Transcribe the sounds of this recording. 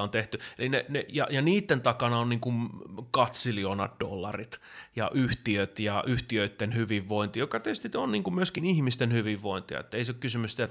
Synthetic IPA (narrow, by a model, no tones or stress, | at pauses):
ont̪eht̪yelinenejɑ̰jɑniːt̪ːent̪ɑkɑnɑonniːŋkunkɑt̪silionɑ̰t̪do̰lːɑrit̪jɑ̰ʔyht̪iøt̪jɑʔyht̪iøit̪ːenhyʋiʋːoint̪ijokɑt̪ist̪it̪onniːŋkummyøskinihmist̪enhyʋiʋːoint̪iɑ̰ḛt̪ːeiseokkysymyst̪iæt̪